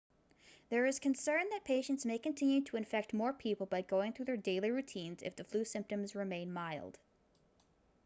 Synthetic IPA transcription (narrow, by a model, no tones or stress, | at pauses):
ðə˞ɨz̥kʰɨ̃nsɜ̃˞nðɨt̚pʰeɪʃɨ̃ntsmeɪkɨ̃ntʰɪ̃njʉɾʰəɨ̃ɱfɛk̚t̚mɔɹpʰipl̩ˠbaɪɡoʊɪ̃ŋθɹʉðə˞deɪlˠiɹʉtʰĩnzɨ̰fðɨflʉsɪ̃mp̚tɨ̃mzɹɨmẽɪ̃nmaɪlˠd̥